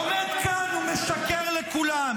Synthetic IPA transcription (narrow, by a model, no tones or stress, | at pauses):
med̪kanumeʃakeʁlekulam